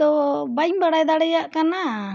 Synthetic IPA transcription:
ɔbajŋbaɽajd̪aɽɛjaʔkana

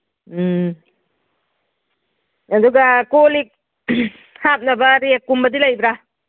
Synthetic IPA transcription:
ɐduɡakolik̚ | hap̚nabaɾiekːumbɐdilajbɾa

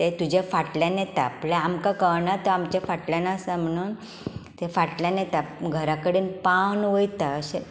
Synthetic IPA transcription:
t̪et̪ud͡ʑʱafaʈlãnjɛt̪aːplaamkakəɾɳat̪ɔamt͡ɕjafaʈljanasam̤əɽ̃uːn | t̪efaʈljãnjet̪aɡʱəɾakəɽiːnpawnʋəjt̪aəɕe

